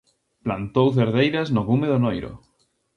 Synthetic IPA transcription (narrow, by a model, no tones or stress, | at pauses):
plant̪owθ̬eɾðejɾɐznoɣumeðonojɾʊ̰